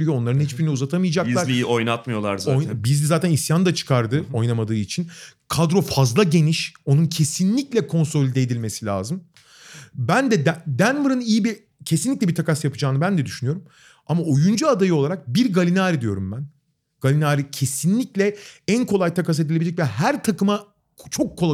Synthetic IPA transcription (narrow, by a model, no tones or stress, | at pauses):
ɾʲijoo̞nlˠaɾɯnɦit͡ʃbiɾinɛuzat̪ʰamɯjad͡ʒak̪ˠɾlʲiojnat̪mɯjo̞lˠa̰ɾzojbizizaːt̪ʰænisjand̪at͡ʃʰɯ̥kʰaɾd̪ɯo̞jnamad̪ɯːit͡ʃʰinkʰad̪ɾo̞fazlˠaɟe̞niʃo̞nuncʰe̞sinlʲiclʲɛkʰo̞nso̞lʲid̪eed̪ilʲme̞silʲa̰ːzɯm | bænd̪ɛd̪d̪ænmɯɾɯnijibi | cʰe̞sinlʲic̚ʲlʲɛbiɾt̪ʰakasjapʰɯd͡ʒaːnɯbænd̪ɛd̪yʃynyjo̞ɾum | amao̞jund͡ʒuad̪ajɯolˠaɾak̚biɾɡalʲinaːɾid̪ijo̞ɾumbæn | ɡ̥alʲinaːɾicʰe̞sinlʲiclʲɛænkʰo̞lˠajt̪ʰakas̬e̞d̪ilʲeid͡ʒɛc̬ʲvɛɦæɾt̪ʰakɯma | t͡ʃʰo̞kʰːoa